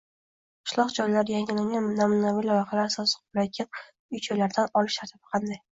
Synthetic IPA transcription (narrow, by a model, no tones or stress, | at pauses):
qʰɨ̥ʃlˠɒqd͡ʒɒjlaɾjaŋɪlaŋɡʲannamʊnavilɒjqʰɑlaɾsɒsɨ̥qblakʲʰɪn | ʊjt͡ʃʰojlaɾd̪anɒlɪʃt̪ʰaɾt̪ʰɪb̥ɪ̥qʰɑnd̪aj